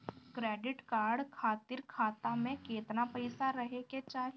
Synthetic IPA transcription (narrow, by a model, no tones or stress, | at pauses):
kɾɛːɖɪʈkaːɾɖkʰaːt̪ɪɾkʰaːt̪amẽkeːt̪napəɪsaɾəɦeket͡ʃaːɦ